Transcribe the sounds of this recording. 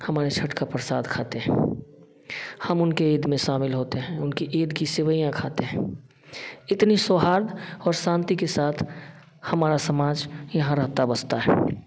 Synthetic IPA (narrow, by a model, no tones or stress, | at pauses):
həmaːɾet͡ʃʰəʈkapɾəsaːd̪kʰaːt̪eɦɛ̃ | həmʊnkeeːd̪mẽʃaːmɪlɦoːt̪eɦɛ̃ʊnkiʔeːd̪kisɪwəijãkʰaːt̪eɦɛ̃ | ɪt̪nisoːɦaːɾd̪ɔːɾsãːnt̪ikesaːt̪ʰ | həmaːɾasəmaːd͡ʒjɐɦãɾəɦt̪abəst̪aɦɛ̰